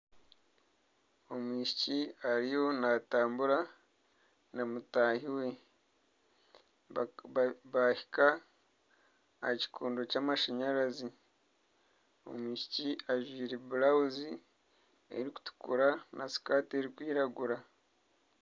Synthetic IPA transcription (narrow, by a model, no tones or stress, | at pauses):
o̞mwiːʃiciaɾijo̞nataːmbuɾa | namutaːhiwe̞ | βahi̥ka | ci̥kʰuːndo̞camaʃaɲaɾazi | o̞̰mwiːʃi̥ciaʒwiːɾebulauzi | ḛɾiku̥tu̥kuɾanasi̥kaːte̞ɾikwiːɾaɡuɾa